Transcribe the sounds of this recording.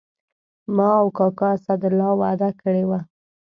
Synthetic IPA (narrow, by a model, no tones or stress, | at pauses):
mɑawkɑkɑasad̪ʊlɑwad̪akəɽewa